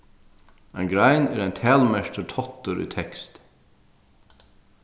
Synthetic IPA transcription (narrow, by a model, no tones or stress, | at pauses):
mɛnɡɾæɪneːɾæɪnt̪ʰæːlmɛʃtəʈʰɔt̪əɾʔḭːt̪ʰɛkst̪